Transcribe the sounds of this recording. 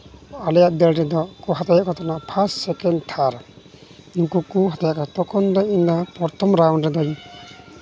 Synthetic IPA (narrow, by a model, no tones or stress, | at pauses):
alɛjaʔd̪ɛlɾɛd̪ɔkɔɦat̪ajaʔkɔt̪ʰɔnaʔpʰassɛkɛnd̪t̪ʰaɾ | iŋkukuɦat̪ajaʔkat̪ɔkɔnd̪ɔind̪apɔɾt̪ʰɔmɾawnɾɛd̪ɔj